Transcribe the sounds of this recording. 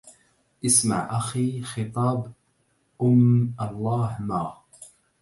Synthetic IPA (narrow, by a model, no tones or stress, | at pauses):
ʔɪsma̰ʕʔaxiːxɨt̪ˤɑːb | ʔʊmʔɑlˤːɑːhmaː